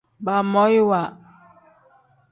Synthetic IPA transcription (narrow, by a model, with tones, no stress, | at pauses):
ba˨mɔ˦jwa˨